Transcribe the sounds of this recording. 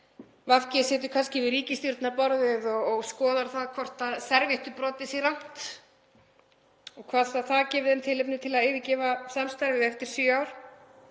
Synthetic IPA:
vafcɪsɛːt̪̬ʏɾ̥kʰanscɪvɪðɾiːcɪst̪jʏɾt̪napɔɾðɪðɔɣːɣskɔːðaɾ̥θaðkʰvɔr̥t̪aðsɛɾvɪht̪ʏpɾɔːt̪ɪsɪɣrawn̥t̪ | ɔɣkʰv̥aːðaθaðcɛːvɪðɛmt̪ʰɪlɪpnʏt̪ʰɪlaðɪːvɪcɛːvasamst̪aɾvɪɛft̪ɪɾ̥sʏaːwɾ̥

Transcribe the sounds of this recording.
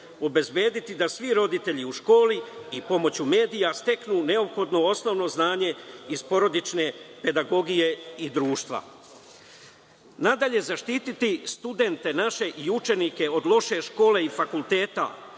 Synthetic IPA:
o̞be̞zbje̞ːd̪it̪id̪asʋiɾo̞d̪it̪e̞ʎiuʃko̞ːliipo̞mo̞t͡ɕume̞ːd̪ijast̪e̞knune̞o̞pxo̞d̪no̞o̞sno̞ʋno̞znaːɲe̞izpo̞ɾo̞d̪it͡ʃne̞pe̞d̪aɡo̞ɡije̞id̪ɾuːʃt̪ʋa̰ | nad̪aʎe̞zaʃt̪it̪it̪ist̪ud̪e̞nt̪e̞naʃe̞ʔiut͡ʃe̞nike̞o̞d̪lˠo̞ʃe̞ʃko̞ːle̞ifakulˠt̪e̞ːt̪a̰

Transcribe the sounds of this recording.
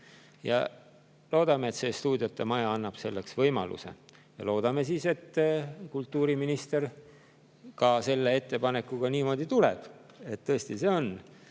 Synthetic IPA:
jɑ̰ | lo̞ːd̪̥ɑmeet̪se̞ːst̪uːd̪̥ʲijot̪ːe̞mɑjɑɑnːɑb̥se̞lːe̞ksvɤjmɑ̰lṵse̞̰ | jɑ̰lo̞ːd̪̥ɑme̞siːse̞t̪ːkult̪ːˑuːɾiminist̪er | kɑse̞lːe̞e̞t̪ːe̞pɑne̞kːuɡ̥ɑniːmo̞ːd̪̥it̪ulḛb̥e̞t̪t̪ːɤesʲt̪ise̞o̞n

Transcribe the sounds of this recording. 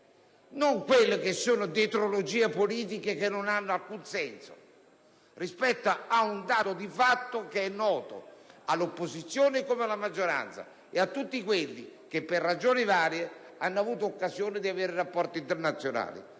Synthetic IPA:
noŋkwelːɪkesːoːnod̪et̪ɾolod͡ʒiːepoliːt̪̬ikekenːonanːʊalkunsɛnso̰ | rispɛt̪ːaaund̪aːt̪od̪ifat̪ːokeɛnːɔːt̪o̰alːopːosit̪sːjoːnɪkomealamad͡ʒːoɾa̰nt̪sa̰ | eat̪ːut̪ːikwelːḭk̟epːerːad͡ʒoːnivaːɾje | anːʊavuːt̪oːkːazjoːnɪd̪iaveːɾɪɾapːɔrt̪int̪ɛrnat̪sːjona̰ːlḭ

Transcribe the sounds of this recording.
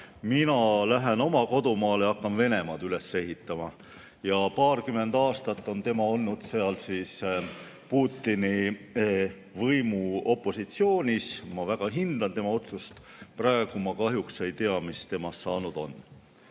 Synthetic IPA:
minɑlæɦe̞no̞mɑko̞d̪umɑːleɑkːɑnve̞ne̞mɑːd̪yle̞sːe̞ɦit̪ːˑɑmɑ | jɑpɑːrkymːe̞nd̪̥ɑːst̪ɑt̪ːˑo̞nt̪e̞mɑo̞lːud̪̥se̞ɑlsiːs | puːt̪ˑːini | vɤjmuo̞pːˑo̞sit̪sio̞ːnʲismɑvæɡ̥ɑɦind̪̥ɑnt̪e̞mɑo̞t̪sust̪ | prɑe̞ɡ̥umɑkɑɦjukse̞jt̪e̞ɑmist̪e̞mɑsːɑːnud̪̥o̞n

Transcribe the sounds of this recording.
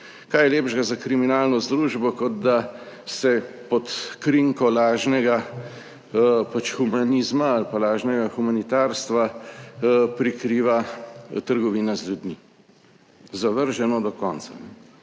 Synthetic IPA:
kaːjɛleːbʒɡazakɾiminaːlnɔzd̪ɾuːʒbɔkɔd̪̚d̪a | sɛpɔt̪kɾiŋkɔlaːʒnɛɡa | pat͡ʃxumanizmaalpalaːʒnɛɡaxumanit̪aːɾst̪ʋa | pɾikɾiːʋat̪əɾɡɔʋiːnazlʲjud̪mi | zaʋəɾʒɛnɔd̪ɔkɔnsa̰nɛ

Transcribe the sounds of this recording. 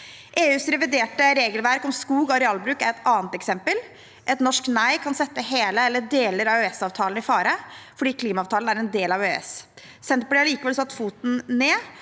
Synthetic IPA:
ʔeːʉːsɾɛʋɪd̪eːʈəɾeːɡəlʋæɾkɔmskuːɡɔɾɛɑlbɾʉːkæɾɛt̪ɑːnt̪ɛksɛmpəl | ʔɛt̪nɔʂknæɪkʰɑnsɛt̪ːəɦeːləɛlːəɖ̪eːləɾɑøɛsɑːʋt̪ʰɑːln̩ɪfɑːɾəfɔɖiːkʰliːmɑːʋt̪ʰɑːlənæɾɛnd̪eːlɑʋøːɛ̰s | sɛnt̪̚pɔlɛɑɭiːkəʋɛlsɑt̪ːfuːt̪n̩neː

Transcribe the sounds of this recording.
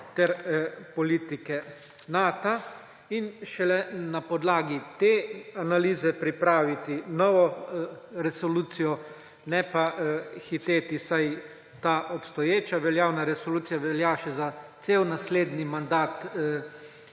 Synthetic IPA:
t̪ɛɾpɔliːt̪ikɛ | naːt̪a | inʃɛlɛnapɔd̪laːɡit̪eanaliːzɛpɾipɾaːʋit̪inɔːʋɔ | ɾɛsɔluːt̪sijɔ | nɛpaxit̪eːt̪isaj | t̪aʔɔpst̪ɔjeːt͡ʃaʋɛljawnaɾɛsɔluːt̪sijaʋɛljaʃɛzat̪sewnasleːd̪nimand̪aːt̪

